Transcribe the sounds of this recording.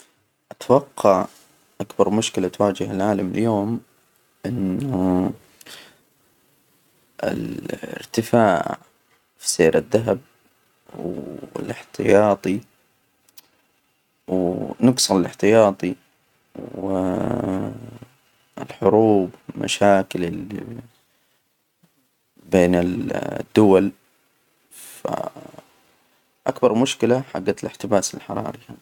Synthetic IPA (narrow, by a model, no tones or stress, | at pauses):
ʔat̪awɑqːɑʕ | ʔakbɑɾˤmʊʃkɪlat̪waːd͡ʒɪhalʕaːlamɪljoːm | ʔɪnːu | ɪ̰lɪ̰ɾt̪ɪfaːʕ | fi̥seːɾʔaðːaɦab̚ | wɪ̰lɪħt̪ɪjɑːt̪ˤi | wnɨɡsˤɑlɪlɪħt̪ɪjɑːt̪ˤi | wɪ | ɪlħʊɾuːblma̰ʃaːkɪlɪli | beːnɪld̪ːʊwal | fa̰ | ʔakbɑɾˤmʊʃkɪlaħa̰ɡːalɪħt̪ɪbaːsɪlħɑɾˤɑ̰ːɾˤiha